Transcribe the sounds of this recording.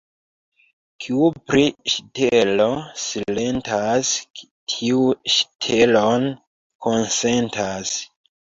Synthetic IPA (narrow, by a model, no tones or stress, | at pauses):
kʰiupɾiʃtelo̞sile̞ntʰas | tʰiuʃtʰelon | kʰonse̞ntʰas